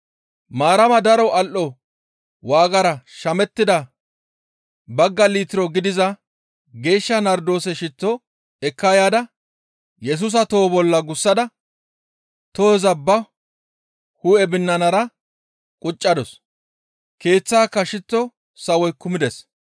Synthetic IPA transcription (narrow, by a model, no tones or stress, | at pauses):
maːɾɐmɐd̪ɐɾɔɐlʔɔ | waːɡɐɾɐʃɐmɛt̪ːɪd̪ɐ | bɐɡːɐliːt̪ɪɾɔɡɪd̪ɪzɐ | ɡe̞ːʃːɐnɐɾd̪o̞ːsɛʃɪt̪ːɔ | ɛkːaːjaːd̪ɐ | jɛs̬ʊs̬ɐt̪o̞ːbɔlːɐɡʊsːɐd̪ɐ | t̪ozɐbːɐ | huɛbɪnːɐnɐɾɐ | kʼʊt͡ʃʼːɐd̪ɔs | ke̞ːt͡sːaːkːɐʃɪt̪ːɔ | sɐwɔjkʊmɪd̪ɛs